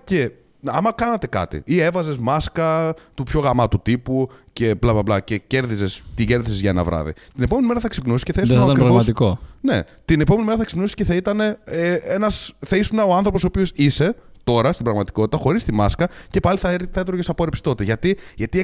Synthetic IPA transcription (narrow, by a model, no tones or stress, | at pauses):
ce̞ | ɐmɐkɐnɐt̪e̞kɐ̰t̪ḭie̞vɐze̞zmɐskɐt̪upço̞ɣɐmɐt̪ut̪ipuce̞plɐplɐplɐcece̞ɾðize̞st̪iɟe̞ɾðisezʝɐenɐ̰vɾɐ̰ðḭt̪ine̞po̞menimeɾɐθɐksipnusi̥sceθɐisɐɐkɾɾɐɣvomɐt̪ikone̞̰ | t̪ine̞pome̞nimeɾɐθɐksipnusi̥sceθɐit̪ɐne̞eenɐsθɐisunɐoɐnθɾopo̞soːpiosise̞t̪o̞ɾɐst̪ibɾɐɣmɐt̪i̥ko̞t̪i̥t̪ɐxo̞ɾist̪imɐskɐce̞pɐliθɐeɾθɐet̪ɾoʝesɐpo̞ɾepsi̥t̪o̞t̪eʝɐt̪iʝɐt̪i